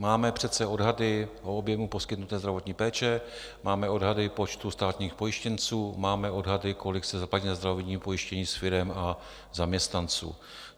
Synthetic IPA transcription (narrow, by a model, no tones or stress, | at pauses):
maːmɛpr̝̥ɛt̪t͡sɛo̞dɦadɪʔoobjɛmupo̞skɪt̪nut̪ɛːzd̪ɾavo̞t̪ɲiːpɛːt͡ʃɛ | maːmɛo̞dɦadɪpo̞t͡ʃt̪ust̪aːt̪ɲiːxpo̞jɪʃcɛnt͡suːmaːmɛʔo̞dɦadɪko̞lɪksɛzaplacinazd̪ɾavotɲiːmpo̞jɪʃcɛɲiːsfɪɾɛma | zamɲɛst̪nant͡sṵː